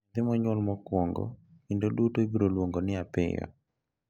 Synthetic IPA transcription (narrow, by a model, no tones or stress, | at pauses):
d̪ɪmɔɲwɔlmɔkwɔŋɡɔ̰indodutoibiɾolwoŋɡonɪapɪ̰jɔ̰